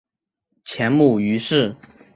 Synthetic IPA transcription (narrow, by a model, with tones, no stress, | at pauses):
t͡ɕʰjɛ˧˥nmu˥˩y˧˥ʂɻ̩˥˩